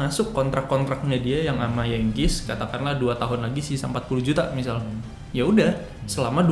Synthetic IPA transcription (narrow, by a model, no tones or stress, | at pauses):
asʊkːɔnt̪ɾakːɔnt̪ɾak̚ɲadiajaŋʔamajaŋkɪskat̪akanlahduat̪aɦʊnlaɡisisaəmpat̪̚pulud͡ʒut̪amisal | jaudah | səlamadu